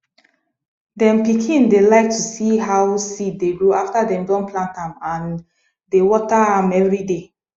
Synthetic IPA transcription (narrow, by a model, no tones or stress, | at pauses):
dɛ̃mpikʰĩndelaɪk̚tusiɦawsitdeɡɹoaftadɛ̃mdɔ̃nplãntãmãn | dewɔtaãmɛvɹide